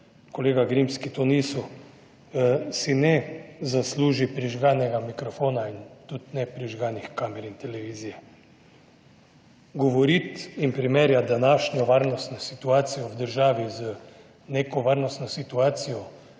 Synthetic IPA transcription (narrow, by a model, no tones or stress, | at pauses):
koleːɡaɡɾimskit̪onisu | sinɛzasluːʒipɾiʒɡaːnɛɡamikɾɔfoːnaint̪ut̪nɛpɾiʒɡaːnixkaːmɛɾint̪ɛlɛʋiːzijɛ | ɡɔʋɔɾit̪impɾimeːɾjad̪anaːʃnʲɔʋaːɾnɔst̪nɔsit̪uaːsijɔwd̪əɾʒaːʋizə | nekɔʋaːɾnɔst̪nɔsit̪uaːt̪sijɔ